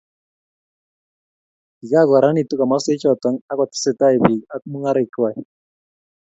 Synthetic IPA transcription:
i˨d͡ʒa˦˨ɡwa˨ɾa˦ni˨tu˦ka˨ma˦se˦t͡ʃɔ˨ta˦ŋa˦ka˨ti̥˦se˦˨ta˦i˨bi˨a˦kmu˦ŋa˦ɾe˦˨ka˨j

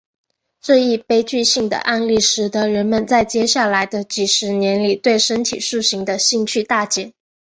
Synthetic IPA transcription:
ʈ͡ʂɤ˥˧i˥˩pe˥ɪt͡ɕy˥˧ɕi˥˩ŋd̪ə̰˩ʔa˥˧nli˥˩ʂɻ̩˨˧˥t̪ɤ˧˥ɻə˧˥nmə˨nt͡sa˥˩ɪt͡ɕjɛ˥ɕja˥˩la˧˥ɪd̪ə˧t͡ɕi˨˩ʂɻ̩˧˥njɛ˧˥nli˨˩t̪we˥˩ɪʂə˥nt̪ʰḭ˨˩ʂu˥˩ɕi˧˥ŋd̪ə˧ɕi˥˧ŋt͡ɕʰy˥˧t̪a˥˩t͡ɕjɛ˨˥˩n

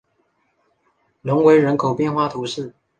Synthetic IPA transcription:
lʊ˧˥ŋwe˧˥ɪɻə˧˥nkʰo˨˩ʊpjɛ˥˧nxwa˥˩t̪ʰu˧˥ʂɻ̩˥˩

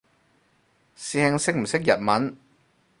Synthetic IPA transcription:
sɛː˧ŋsɪ˥k̚m̩˨˩sɪ˥k̚jɐ˨t̚mɐ˨˥n

